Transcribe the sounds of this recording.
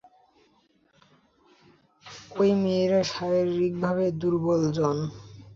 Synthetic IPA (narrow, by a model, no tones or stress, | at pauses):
ojmiɾaʃaɾeɾːik̚bʱaβed̪uɾbold͡ʑon